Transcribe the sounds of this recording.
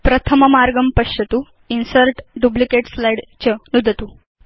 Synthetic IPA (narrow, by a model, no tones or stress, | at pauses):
pɾət̪ʰəməmaɾɡəmpəɕət̪uː | insəɾʈɖublikeʈslajɽt͡ɕənud̪ʱət̪u